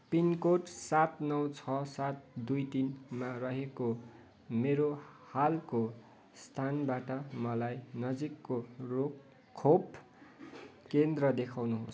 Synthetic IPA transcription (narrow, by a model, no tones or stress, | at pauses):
pinkoʈsat̪nʌwt͡sʰʌsat̪̚d̪ujt̪inmarʌɦeko | meɾohalko | st̪ʰanbaʈʌmʌlajnʌd͡zikːorok | kʰːop | kend̪rʌd̪ekʰawnuɦos